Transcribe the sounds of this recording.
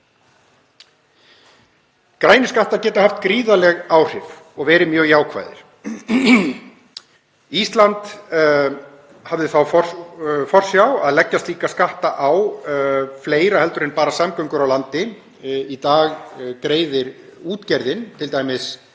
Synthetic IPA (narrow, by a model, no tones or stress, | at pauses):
kɾaːjnɪskaht̪aɾcɛːt̪ʏhaft̪kɾiːðalɛɣaːwr̥ɪvɔɣvɛːɾɪmjœːɣjaːwkʰva̰ːjðɪ̰ɾ̥ | ist̪lant̪ | havðɪθawfɔfɔr̥sjawaðlɛcːast̪liːkaskaht̪aʔaw | fleːjɾahɛl̪t̪ʏɾɪnpaːɾasamkœɥŋkʏɾawlant̪ɪ | it̪aːɣkɾeːjðɪɾuːt̪cɛɾðɪnt̪ʰɪlt̪aːjmɪs